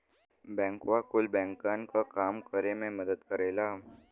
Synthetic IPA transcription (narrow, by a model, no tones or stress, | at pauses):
bɛ̃ŋkʋakulbɛ̃ŋkaŋkakamkəɾemẽməd̪ət̪kəɾajla